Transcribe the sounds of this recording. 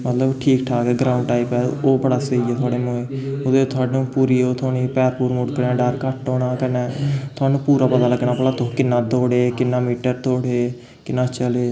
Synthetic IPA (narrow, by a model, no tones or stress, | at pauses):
mət̪ləbʈʰiːkʈʰaːkɛːɡɾãːʊɳɖʈaːipɛːoːbəɽaːsəiːɛːt̪ʰaːɽeːmõːeːʊd̪eːt̪ʰʊaːɖnũːpuːɾiːoːt̪ʰoːniːpɛːɾpuːɾmʊʈkənɛ̃ːɖəɾkəʈːoːɳãːkənɛ̃ːt̪ʰʊaːnũːpuːɾaːpət̪aːləɡɳaːpəlaːt̪okɪnːãːd̪oːɽeːkɪnːaːmiːʈəɾt̪oːɽeː | kɪnːãːt͡ʃəleː